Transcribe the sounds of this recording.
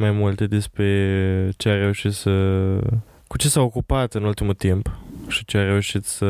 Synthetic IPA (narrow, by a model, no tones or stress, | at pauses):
majmult̪e̞d̪e̞spɾe̞t͡ʃeare̞uʃit̪sə | kut͡ʃe̞saokupat̪ɨnult̪imult̪impʃit͡ʃeaɾe̞uʃit̪sə